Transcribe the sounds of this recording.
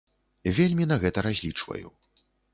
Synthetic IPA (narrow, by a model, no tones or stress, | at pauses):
vʲelʲmʲin̪ɐɣɛt̪ɐɾazʲlʲit͡ʂvɐ̰jṵ